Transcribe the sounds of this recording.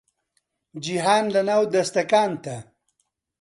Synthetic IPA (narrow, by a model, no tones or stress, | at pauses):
d͡ʒiɦaːnlɐnaːwd̪ɐst̪ɐkaːnt̪a